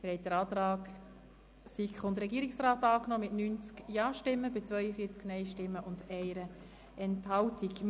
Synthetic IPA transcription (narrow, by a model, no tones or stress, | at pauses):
fɪhɛɪt̚dəɾɑːtɾɑːk | sikχʊndɾɛɡiːɾiksraːtɑːknɔːmɪtnynt͡skjɑːʃtɪmːəbɪt͡svœʏəfiːt͡sknɛɪʃtɪmːəʔʊndɛɪɾə | ʔɛnthɑltik